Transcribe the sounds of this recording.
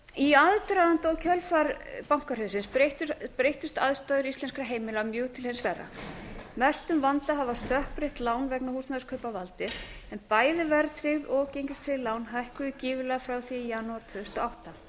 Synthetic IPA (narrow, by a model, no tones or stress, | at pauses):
iaðt̪ɾaðant̪aɔwcʰœlfaɾpawŋ̥kaɾ̥hʏːsɪnset̪pɾejht̪ʏst̪aðst̪aːðʏɾisɛnskɾaɦeːjmɪlamjʏːɣt̪ʰɪlhɛnsvɛrːa̰nɛst̪ʏmvant̪aɦavast̪œhpɾɪht̪laːwnvɛknahusnaðʏɾskʰœːpavalt̪ɪɛnpaːjðɪvɛɾt̪ʰɾɪɣðɔcejɲcɪst̪ʰɾɪðlaːwnɦajhkʏðɪciːvɪlɛɣafɾawθijanuaɾt̪ʰvœðʏst̪ɔawht̪a